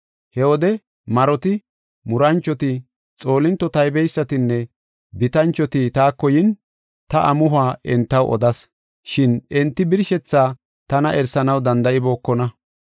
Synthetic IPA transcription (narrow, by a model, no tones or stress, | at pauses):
hɛwɔd̪ɛ | mɐɾɔt̪ɪ | mʊɾɐnt͡ʃːɔt̪ɪ | t͡sʼo̞ːlɪnt̪ːɔt̪ɐjbɛjsːɐt̪ɪnːɛ | bɪt̪ɐnt͡ʃːɔt̪ɪt̪aːkːɔjɪn | t̪ɐʔɐmʊɦʊaːʔɛnt̪ːɐwʔɔ̰d̪ɐs | ʃɪnʔɛnt̪ːɪbɪɾʃɛt͡sːaː | t̪ɐnɐʔɛɾsɐnɐwd̪ɐnd̪ɐʔɪbo̞ːkːɔnɐ